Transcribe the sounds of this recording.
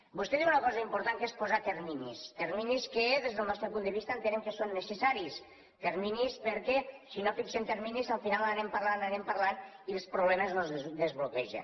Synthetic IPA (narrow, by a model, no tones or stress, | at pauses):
bust̪ɛðiwunəkɔzəimpuɾt̪ankespozat̪eɾminḭst̪eɾminiskəðezðəlˠnɔst̪ɾəpund̪əβist̪ənt̪ənemkəsonːəsəsaɾis | t̪eɾminispəɾkɛsinofiksɛmt̪eɾminizəlˠfinalaɾɛmpaɾlananɛmpəɾlanilˠspɾuβlɛməznozd̪əzβlukɛʒə̰n